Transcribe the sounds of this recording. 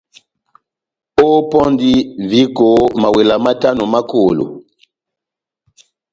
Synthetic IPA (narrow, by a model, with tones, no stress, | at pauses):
o˦pɔ˦ndi˦vi˨˦ko˨˦ma˨wɛ˨la˨ma˦ta˦nɔ˨ma˦ko˨lo̰˨